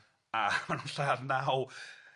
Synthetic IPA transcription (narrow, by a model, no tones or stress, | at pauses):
amanunɬaːðnaw